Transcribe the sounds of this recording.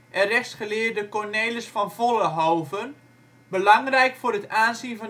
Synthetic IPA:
ʔɛnrɛxsχəlɪːrdəkɔrnejləsfɔnv̥oləɦɔwvən | bəlɑŋrɛjkfʊːrətaːnzinvɔn

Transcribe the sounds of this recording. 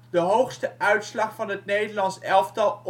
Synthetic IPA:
dəɦowχstəʔœɥtslɑχfɑnɦət̚nejdəlɑnsɛlˠftɑlˠ

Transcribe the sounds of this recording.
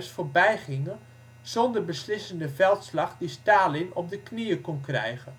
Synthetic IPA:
sfoɹbɛjχɪŋə | z̥ɔndərbəslɪsəndəvɛlˠtslɑχdistaːlɪnɔp̚dəkniəkɔnkrɛ̰jɣə

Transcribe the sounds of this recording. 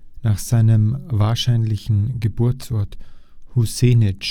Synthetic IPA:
naːχz̥aɪnəmvaːɐʃaɪnlɪçn̩ɡəbʊɐt͡sɔɐthuseːnɪt͡ʃ

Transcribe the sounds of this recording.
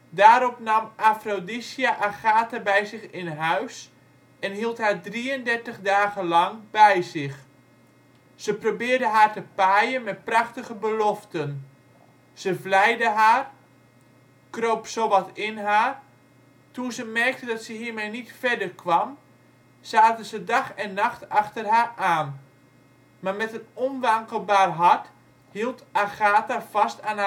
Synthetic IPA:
daːɾɔpnɑmafrodisiaʔaxaːtəbɛjzɪxɪnɦœɥs | ɛnɦilˠthaːɹdriəndɛrtəχdaːɣəlɑŋbɛjzɪx | səprobɪːrdəɦaːrtəpaːjənmɛt̚prɑxtəɣəbəlɔftən | z̥əvlɛjdəɦaːr | kroːpsoʋɔtɪnɦaːr | tuzəmɛrk̚tədɑtsəɦiːrmɛjnitfɛdərkʰʋɑm | z̥aːtəzədaχɛnːaχtaxtərɦaːaːn | maːrmɛtənɔnʋaŋkəlˠbaːrɦart | hilˠtaɣaːtafastan

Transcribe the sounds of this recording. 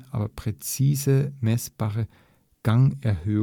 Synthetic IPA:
ʔa̰ːbɐpʁ̥ɛt͡siːzəmɛsb̥aːʁə | ɡ̥aŋɛɐhøː

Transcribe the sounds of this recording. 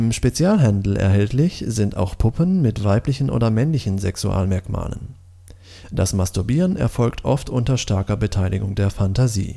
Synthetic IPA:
ʔɪmʃpet͡sjaːlɦandl̩ɛ̰ɐɦɛltlɪçz̥ɪnta̰ʊxpʰʊpʰənmɪtv̥aɪplɪçn̩ʔo̰ːdɐmɛnlɪçn̩zɛksuʔa̰ːlmɛɐkma̰ːlə̰n | d̥asmastʊɐbiːʁənʔɛ̰ɐfɔlktʰʔɔftʔʊntɐʃtɛɐkɐbətʰaɪlɪɡʊŋdeːɐfantazḭː

